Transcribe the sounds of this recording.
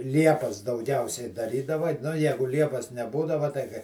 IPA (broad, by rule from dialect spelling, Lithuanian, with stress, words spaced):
ˈlʲiɛpɐs dɐʊˈɡʲɛʊsʲɛɪ dɐˈrʲiːdɐʋɐ nʊ ˈjæːɡʊ ˈlʲiɛpɐs nʲɛˈbuːdɐʋɐ tɐɪ kɐɪ